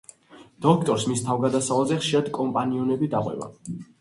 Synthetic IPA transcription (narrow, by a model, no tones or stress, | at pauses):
d̪̥ɔkʰt̪ʼɔɾsmist̪ʰavɡad̪asavazɛχʃiɾad̪kʼɔmpʼaniɔnɛbid̪aqʼwɛ̰ba̰